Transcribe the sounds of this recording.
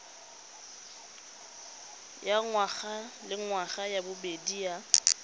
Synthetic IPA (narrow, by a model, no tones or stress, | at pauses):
jaŋwaɣalɪŋwaχajabʊbedia